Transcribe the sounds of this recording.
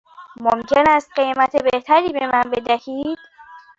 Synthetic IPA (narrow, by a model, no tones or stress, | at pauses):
momcʰe̞næst̪̚ɢejmæt̪ʰebeht̪ʰæɾiːbe̞mænbe̞d̪æhiːd̪̥